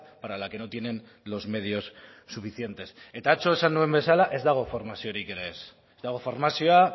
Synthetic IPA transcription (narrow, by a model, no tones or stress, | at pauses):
paɾalake̞no̞t̪je̞ne̞n | lo̞zme̞ð̞io̞sː | ufiθje̞nt̪e̞se̞t̪aːt͡so̞e̞sanːue̞mbe̞salaʔe̞zd̪aɣ̞o̞foɾmasio̞ɾike̞ɾe̞s | ezd̪aɣ̞o̞foɾmasioa